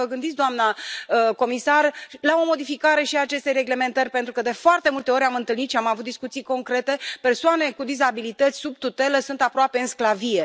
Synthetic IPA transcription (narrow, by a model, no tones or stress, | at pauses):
əɡɨnd̪it̪sʲd̪oamnaəko̞misarlao̞mo̞d̪ifikaɾe̞ʃiat͡ʃe̞st̪eɾe̞ɡle̞me̞nt̪ərʲpe̞nt̪ɾukəd̪e̞foart̪e̞mult̪e̞o̞ɾʲamɨnt̪ɨlnit̪ʃiamavut̪̚d̪iskut̪sijko̞ŋkɾe̞t̪e̞pe̞rsoane̞kud̪izabilit̪ət̪sʲsub̚t̪ut̪e̞ləsunt̪apɾoape̞ɨnsklavije̞